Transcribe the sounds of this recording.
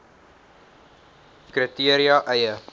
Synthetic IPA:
kritiəɾiɑʔɛjə

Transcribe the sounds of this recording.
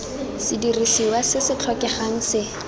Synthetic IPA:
sɪdirisiwasɪsɪt͡ɬʰɔkɛχaŋ̩sɪ

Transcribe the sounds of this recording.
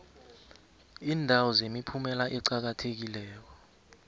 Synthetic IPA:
iːndʱawɔzemipʰumɛlaʔɛǀak̬atʰek̬ilɛːk̬ɔ

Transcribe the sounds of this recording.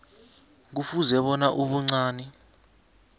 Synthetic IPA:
k̬ufuzɛɓɔnaʔuɓuŋ͡ǀaːnɛ

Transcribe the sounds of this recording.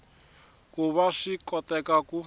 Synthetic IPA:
kʼuβaʂikʼɔtʼɛkʼakʼu

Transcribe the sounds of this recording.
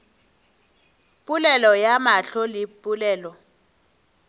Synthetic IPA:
pʼulɛlɔjamaɬɔlipʼulɛːlɔ

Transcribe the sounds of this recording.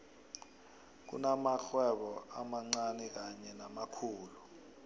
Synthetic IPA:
k̬ṵnamaxwɛɓɔamaŋ͡ǀanɛk̬aɲɛnamakʰuːlu

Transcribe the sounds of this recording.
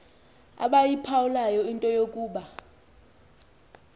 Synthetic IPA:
a̰ɓajipʰawulajɔintʼɔjokʼuːɓa

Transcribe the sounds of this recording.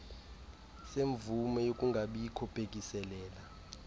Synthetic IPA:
seɱvumɛjokʼuŋɡʱaɓijikʰɔpʰʼek̬ʼisɛlɛːla

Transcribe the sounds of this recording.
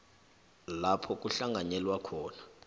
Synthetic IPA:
lapʰɔk̬ʼuɬaŋaɲɛlwakʰɔːna

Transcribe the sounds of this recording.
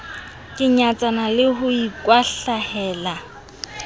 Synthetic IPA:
kʼɪɲat͡sʼanalɪɦʊikʼwaɬahɛːla

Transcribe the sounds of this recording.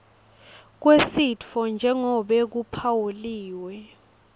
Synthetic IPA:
k̬wesidfɔnd͡ʒʱɛŋɔɓɛk̬upʰawuliːwɛ

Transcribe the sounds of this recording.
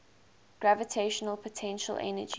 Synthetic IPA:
ɡ̥ɹævətʰeɪʃənəlˠpʰətʰɛ̃nʃə̰lʔɛ̰nə̰d͡ʒ

